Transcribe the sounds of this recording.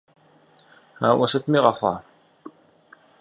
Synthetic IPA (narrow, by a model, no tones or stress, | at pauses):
aːʔʷɐsɐt̪miːʁɐχʷɑ̰ː